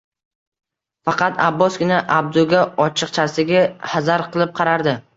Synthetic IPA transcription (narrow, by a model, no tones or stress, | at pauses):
fɑqɑt̪ʰabːɒsɡʲɪnaʔab̚d̪ʊɡʲaɒt͡ʃʰɨq̚t͡ʃʰasɪɡʲahazaɾqʰɨlˠɪp̚qʰɑɾaɾd̪ɪ